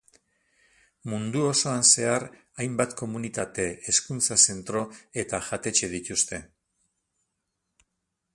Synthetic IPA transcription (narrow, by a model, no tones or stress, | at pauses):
mund̪uo̞so̞anse̞aɾ | ajmbat̪ko̞munit̪at̪e̞ːskunt͡sase̞nt̪ɾo̞e̞t̪aʝat̪e̞t͡ʃe̞ð̞it̪ust̪e̞